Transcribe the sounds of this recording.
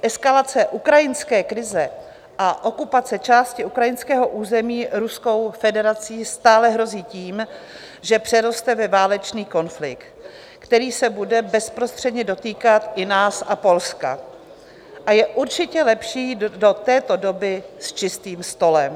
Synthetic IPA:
ʔɛskalat͡sɛʔukɾajɪnskɛːkɾɪzɛ | ʔaʔo̞kupat͡sɛt͡ʃaːscɪʔukɾajɪnskɛːɦo̞ʔuːzɛmiːɾusko̞wfɛdɛɾat͡siːst̪aːlɛɦɾo̞ziːciːm | ʒɛpr̝̥ɛɾo̞st̪ɛvɛvaːlɛt͡ʃniːko̞nflɪ̰kt̪ | kt̪ɛɾiːsɛbudɛbɛspɾost̪r̝̥ɛdɲɛdo̞t̪iːkat̪ɪnaːsʔapo̞lska̰ | ʔajɛʔuɾt͡ʃɪcɛlɛpʃiːdo̞t̪ɛːt̪o̞do̞bɪst͡ʃɪst̪iːmst̪o̞lɛm

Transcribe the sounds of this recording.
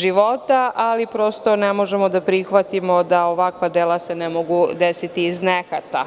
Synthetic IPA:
ʒiʋo̞t̪aʔalipɾo̞st̪o̞nemo̞ʒemo̞d̪apɾixʋat̪imo̞d̪aoʋakʋad̪eːlase̞nemoɡud̪esit̪iːznekat̪a̰

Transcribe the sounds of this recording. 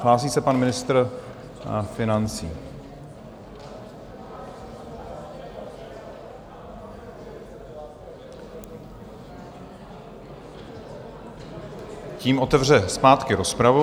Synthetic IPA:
laːsiːsɛpanmɪnɪst̪r | fɪnant͡sḭː | ciːmʔo̞t̪ɛvr̝ɛspaːt̪kɪɾo̞spɾavu

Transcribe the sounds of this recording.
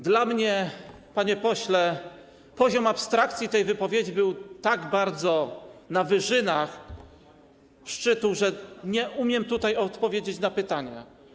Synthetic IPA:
d̪lamɲɛ | paɲɛpɔɕlɛ | pɔʑɔmapst̪ɾakt̪sʲjit̪ɛjvɘpɔvʲjed͡ʑibɘwt̪aɡbaɾd̪zɔnavɘʐɘnax | ʂt͡ʂɘt̪uʐɛɲɛʔumʲjɛmt̪ut̪ajɔt̪pɔvʲjed͡ʑet͡ɕnapɘt̪aɲa̰

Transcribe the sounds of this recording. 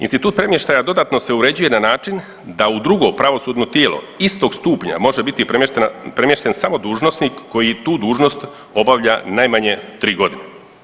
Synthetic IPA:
inst̪it̪uːt̪pɾe̞mjeʃt̪ajad̪o̞d̪at̪no̞se̞uɾe̞d͡ʑuje̞nanaːt͡ʃin | d̪aud̪ɾuɡo̞pɾaʋo̞suːd̪no̞t̪jeːlo̞̰ | ist̪o̞ɡst̪uːpɲa̰mo̞ʒebit̪iepɾe̞mje̞ʃt̪e̞nsamo̞d̪uːʒno̞snikːo̞jit̪uːd̪uːʒno̞st̪ | o̞baʋʎanajmaɲe̞t̪ɾiːɡo̞d̪ine

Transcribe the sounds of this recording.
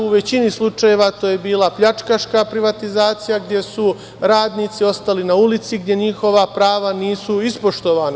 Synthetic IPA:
uʋe̞t͡ɕinislˠut͡ʃaje̞ʋat̪o̞ːje̞biːlˠapʎat͡ʃkaʃkapɾiʋat̪izaːt̪sijaɡd̪je̞su | ɾaːd̪niːt̪sio̞st̪alinaulit̪siɡd̪je̞ɲixo̞ʋapɾaːʋaniːsuispo̞ʃt̪o̞ʋaːna

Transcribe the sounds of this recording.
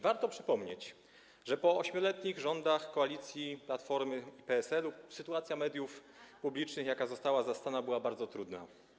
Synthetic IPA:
vaɾt̪ɔpʂɘpɔmɲet͡ɕ | ʐɛpɔɔɕmʲjɔlɛt̪ɲiɣʐɔnd̪axkɔalʲit̪sʲjiplat̪fɔɾmɘipɛɛsɛlusɘt̪uat̪sʲjamɛd̪ʲjuf | publʲit͡ʂnɘxjakazɔst̪awazast̪anabɘwabaɾd̪zɔt̪ɾud̪na̰

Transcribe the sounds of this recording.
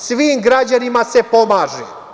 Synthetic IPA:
sʋiːmɡɾad͡ʑanimase̞po̞maːʒe

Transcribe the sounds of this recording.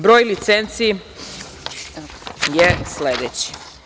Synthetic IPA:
bɾo̞ːjlit̪sent̪si | jesled̪et͡ɕi̥

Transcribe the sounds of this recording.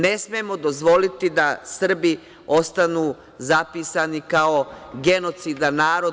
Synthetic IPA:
ne̞smiemo̞d̪o̞zʋo̞lit̪id̪asr̩bi | o̞st̪anuː | zapisanikaoɡe̞no̞t̪sid̪anaːɾo

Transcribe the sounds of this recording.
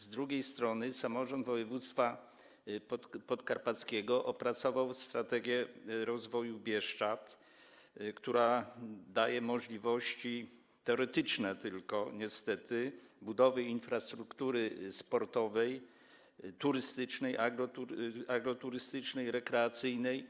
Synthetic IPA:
zd̪ɾuɡʲejst̪ɾɔnɘsamɔʐɔnd̪vɔjɛvut̪st̪fa | pɔt̪kaɾpat̪skʲɛɡɔʔɔpɾat̪sɔvawst̪ɾat̪ɛɡʲjɛɾɔzvɔjubʲjɛʂt͡ʂat̪ | kt̪uɾad̪ajɛmɔʐlʲivɔɕt͡ɕi | t̪ɛɔɾɛt̪ɘt͡ʂnɛt̪ɘlkɔɲɛst̪ɛt̪ɘbud̪ɔvɘinfɾast̪ɾukt̪uɾɘspɔɾt̪ɔvɛj | t̪uɾɘst̪ɘt͡ʂnɛjʔaɡɾɔt̪uɾaɡɾɔt̪uɾɘst̪ɘt͡ʂnɛjɾɛkɾɛat̪sɘjnɛj

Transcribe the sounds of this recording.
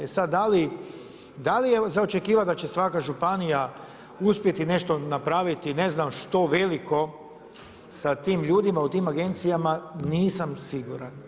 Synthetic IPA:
esad̪dːali | d̪alijezaot͡ʃe̞kiːʋad̪at͡ɕe̞sʋakaʒupanija | uspjet̪ine̞ʃt̪o̞napɾaːʋit̪ineznamʃt̪o̞ʋe̞liko̞ | sat̪iːmʎuːd̪imaut̪iːmaɡe̞nt̪sijamaniːsamsiɡuɾan

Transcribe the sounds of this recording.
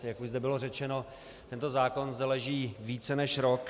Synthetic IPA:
jakuʃʒzdɛbɪlo̞rɛt͡ʃɛno̞ | t̪ɛnt̪o̞zaːko̞nzd̪ɛlɛʒiːviːt͡sɛnɛʃɾok

